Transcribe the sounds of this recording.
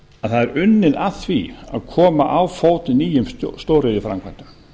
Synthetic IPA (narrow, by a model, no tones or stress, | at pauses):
aðθaðɛɾʔʏnːɪðaθvḭa̰ðkʰɔːmaʔawfoːwt̪niːjʏmst̪oːwɾɪðɪfɾa̰mkʰvajn̥t̪ʏm